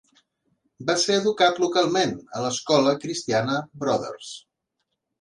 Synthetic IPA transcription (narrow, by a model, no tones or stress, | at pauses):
baseəðukat̪lukalˠmenələskɔləkɾist̪ianəbɾɔðə̰rs